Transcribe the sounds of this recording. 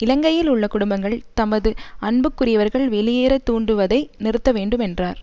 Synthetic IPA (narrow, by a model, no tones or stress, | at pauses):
ɪlɐŋɡɐjɪlʊɭːɐkʊɽʊmbɐŋɡɐɭt̪ɐmɐðɯɐɳbɯkːʊrɪjɐʋɐɾɣɐɭʋɛlɪjeːɾɐt̪ːuːɳɖɯʋɐðɐɪnɪɾɯt̪ːɐʋeːɳɖɯmɛndraːɾ